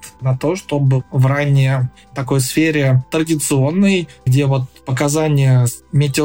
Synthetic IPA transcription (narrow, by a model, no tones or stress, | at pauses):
t̪nɐt̪o̞ʂt̪o̞bɨvranʲɪjə | t̪ɐko̞jsfʲeɾʲɪt̪ɾədʲɪt̪sɨo̞nːɨjɡdʲevo̞t̪̚pəkɐzanʲɪjəmʲetʲɪ